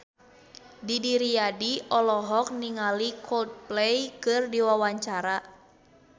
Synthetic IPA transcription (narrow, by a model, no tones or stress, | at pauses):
didiɾijadiʔɔlɔɦɔk̚niŋalikʰɔlt̪̚plɛjkɨrdiwawaɲt͡ʃaɾa